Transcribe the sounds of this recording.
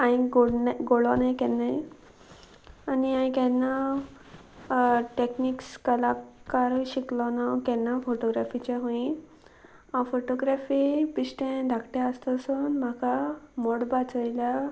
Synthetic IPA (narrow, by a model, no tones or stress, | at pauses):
ãĩɡoɽnɡoɭɔnajkɛnːaj | aniãĩkɛnːa | ʈeknikskəlakaɾɕiklɔnawkɛnːafoʈoɡɾafit͡ɕaɦõĩ | ãfoʈoɡɾafipiɕʈɛ̃d̪ʱakʈeəst̪ːsunm̤akamoɽbat͡səjla